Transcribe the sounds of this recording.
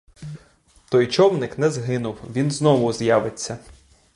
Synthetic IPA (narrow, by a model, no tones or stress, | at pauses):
t̪ɔjt͡ʃɔwnɪknɛzɦɪnʊwʋʲinznɔʋʊzjɑʋɪt͡sʲːɐ